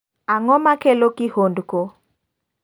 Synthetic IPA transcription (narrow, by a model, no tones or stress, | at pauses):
aŋɔmakelokɪhondko